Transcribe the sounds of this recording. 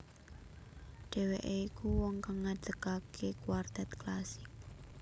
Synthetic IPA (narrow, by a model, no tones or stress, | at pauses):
ɖ̥ɛ̤weʔeikuwɔŋkaŋːad̪̥əkakʰekuward̪̥at̪̚klasɪk̚